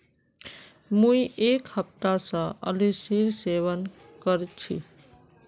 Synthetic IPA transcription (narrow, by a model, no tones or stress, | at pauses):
mũiʔekhəp̚t̪asʌ̃ə̰lisiɾseβən | kəɾt͡ʃʰḭ